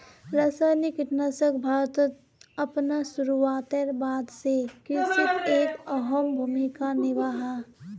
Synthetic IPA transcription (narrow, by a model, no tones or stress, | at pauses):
ɾəsajnikɪʈnasəkbʱaːɾt̪ət̪ | ɐpnasuɾuʋaːt̪əɾbaːd̪sekɪsɪt̪eːkɔɦɔmbʱuːmikanɪʋaɦa